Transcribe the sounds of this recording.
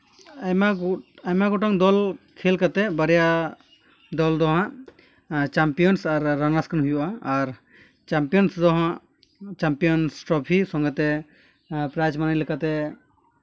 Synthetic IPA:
ajmaajmaɡɔʈɔŋd̪ɔlkʰelkat̪ɛbəɾɛja | d̪ɔld̪ɔɦãʔ | t͡ʃampijɔnsaɾːanaskanɦujuʔaːɾ | t͡ʃampijɔnsd̪ɔɦãʔ | t͡ʃampijɔnsʈɾɔpʰisɔŋɡɛt̪ɛ | pɾajd͡ʒmanajləkat̪ɛ

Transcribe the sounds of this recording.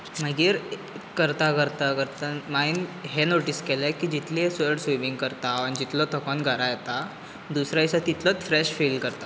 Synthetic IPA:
məɡiːɾ | kːəɾt̪akəɾt̪akəɾt̪amainɦenoʈiskelajkiːd͡ʑit̪liesəɾɽseʋiŋɡkəɾt̪aənid͡ʑit̪lɔt̪ʰəkɔnɡʱaɾajet̪a | d̪usɾaisat̪it̪lət͡sfɾeɕfilkəɾt̪a

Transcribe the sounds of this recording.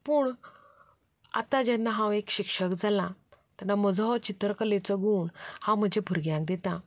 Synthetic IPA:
puɳ | a̰t̪ãd͡ʑɛnːaɦãwekɕikʂəkd͡zalãt̪anːaməd͡zɦɔt͡ɕit̪ɾkəlet͡səɡuːɳhãwm̤əd͡ʑepuɾɡjãŋk̚d̪et̪ã

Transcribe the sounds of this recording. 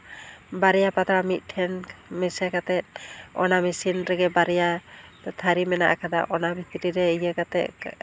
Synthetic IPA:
baɾɛjapat̪ʰɾamit̪̚ˀʈʰɛnmɛsakat̪ɛt̪̚ɔnamɛsinɾɛɡɛbaɾɛjat̪ʰaɾimɛna̰ʔa̰kʰad̪a̰ʔɔnabit̪iɾiɾɛijakat̪ɛ̰ʔ

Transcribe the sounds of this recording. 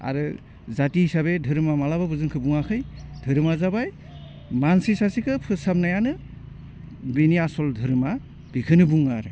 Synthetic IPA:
a̰ɾɯ | zatiɦisaβedʱɯɾɯmamalaβabɯzɯnkʰɯbuŋakʰɯjdʱɯɾɯmazabaj | mansisasikʰɯpʰɯsap̚najanɯ | biniasɔldʱɯɾɯma | b̥ikʰɯnɯbuŋaɾɯ

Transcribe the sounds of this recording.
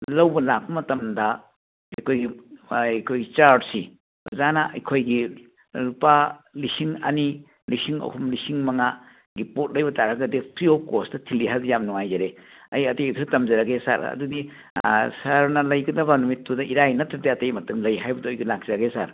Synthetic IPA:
lɐwbɐlak̚pɐmɐtɐmdɐ | ɐjkʰojɡijkʰojɡit͡ʃaɾdsi | zanaɐ̰jkʰojɡi | lupalisiŋɐ̰ni | lisiŋɐ̰kʰumlisiŋmɐŋa | ɡipot̚lɐjbɐtaɾɐɡɐdipʰɾiokostɐtʰiliɦazijamnuŋajzɐɾeɐjɐtejtʰuɾɐtɐmzɐɾɐɡesa̰ɾɐ̰dudi | saɾnɐlɐjɡɐdɐbɐnumitːudɐʔiɾajnɐtɾɐdiɐtɐjmɐtɐŋlɐjɦajbɐdɐɔjɡilak̚zɐɾɐɡesa̰ɾ

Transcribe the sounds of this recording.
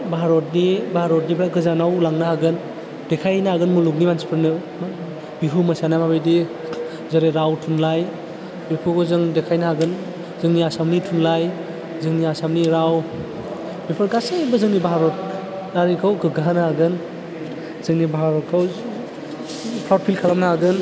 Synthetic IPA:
baɦaɾot̚nibaaɾot̚nibɾaɡɯzanawlaŋnaaɡɯn | dekʰajnaaɡɯnmuluk̚nimansi̥pʰɯɾnɯ | biɦumɐsanamabɯjdi | zaɾeɾawtʰunlaj | bipʰɯkɔzɯŋdekʰajnaɦaɡɯn | zɯŋniasamnitʰunlaj | zɯŋniasamniɾaw | bepʰɯɾɡasebɯzɯŋnibaɦaɾot̚ | daɾikʰawɡɯɡaɦanɦaɡɯn | zɯŋnibaɦaɾɔtkʰaw | pʰawt̚pʰilkʰalamnaaɡɯn

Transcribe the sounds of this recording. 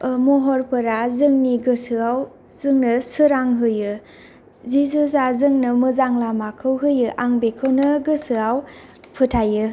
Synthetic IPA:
moɦɔɾpɯɾazɯŋniɡɯsɯaw | zɯŋnɯsɯɾaŋɦɯjɯ | zizɯzazɯŋnɯmɯzaŋlamakʰɯwɦɯjɯʔaŋbekʰɯwnɯɡɯsɯaw | pʰɯtʰajɯ

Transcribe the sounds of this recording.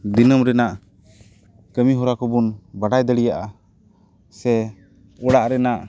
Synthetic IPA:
d̪inəmɾɛnaʔ | kəmiɦɔɾakɔbunbaɖajd̪əɽijaʔa | sɛ | ɔɽaʔɾɛnaʔ

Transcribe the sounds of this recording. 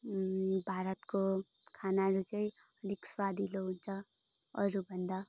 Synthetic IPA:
bʱaɾʌt̪kokʰanaɾut͡sʌĩ | ʌd̪ʱikswad̪ʱiloɦunt͡sʰʌ | ʌɾubʱʌnd̪a

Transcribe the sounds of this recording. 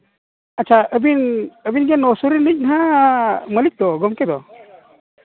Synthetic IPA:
at͡ʃʰaəbinəbinɡɛnːɔsɔɾilic̚nɦa | məlik̚d̪ɔɡɔmkɛd̪ɔ

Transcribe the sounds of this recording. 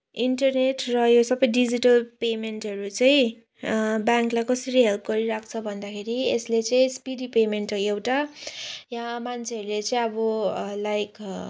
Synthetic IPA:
iɳʈʌrneʈrʌjosʌbʌjɖid͡ziʈʌlpemenʈɦʌɾut͡sʌj̃ĩ | bjaŋklajkʌsʌɾiɦelp̚ɡʌɾiɾak̚ʰt͡sʰʌbʱʌnd̪akʰeɾieslet͡sʌĩspiɖipemenʈewʈa | jãmant͡sʰeʌɾulet͡sʌĩʌbʌlajk

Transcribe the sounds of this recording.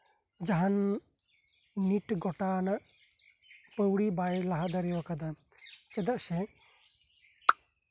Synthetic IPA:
d͡ʒaɦan | iʈɡɔʈanaʔ | pəwɽibajlaɦad̪aɾɛwakad̪a | t͡ʃɛd̪aʔsɛ

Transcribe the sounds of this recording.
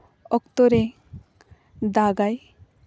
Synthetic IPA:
ɔkt̪ɔɾe | d̪aɡaj

